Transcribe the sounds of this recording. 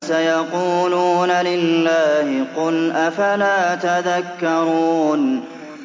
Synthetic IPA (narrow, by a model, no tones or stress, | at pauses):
sajɑquːluːnalɪlːaːhɪqʊlʔafalaːt̪aðakːɑɾˤuːn